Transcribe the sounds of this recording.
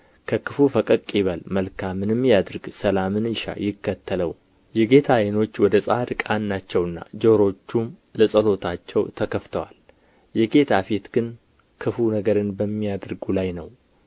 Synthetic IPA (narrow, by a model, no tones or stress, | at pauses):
kʰəkʰɨfufəkʼəkʼiβəlməlkʰamːɨnɨmːjad̪ɨɾɡsəlamɨnjɪʃa̰jɪkːət̪ʰːələw | jɛɡe̞t̪ʰajeno̞t͡ʃːwɔd̪əsʼaɾkʼanːat͡ʃːɛwɨnːa̰d͡ʒo̞ɾo̞t͡ʃːum | ləsʼəlo̞t̪ʰat͡ʃːɛwt̪ʰəkʰəft̪ʰəwal | jɛɡe̞t̪ʰafet̪ɡ̥ɨn | kʰɨfunəɡəɾɨnbəmːijad̪ɾɡulajnəw